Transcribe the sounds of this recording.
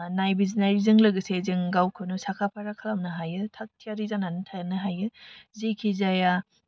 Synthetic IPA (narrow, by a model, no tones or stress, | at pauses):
najbiznajɾizɯŋlɯɡɯsezɯŋɡawkʰɯnusakʰapʰaɾakʰalamnɯɦajɯtʰak̚tʰijaɾizananɯtʰanɯɦajɯzekʰizaja